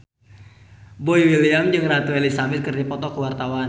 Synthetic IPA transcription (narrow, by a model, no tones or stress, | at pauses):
boiwiliamd͡ʒɨŋrat̪uɛlisabɪt̪̚kərdipɔt̪ɔkəwart̪awan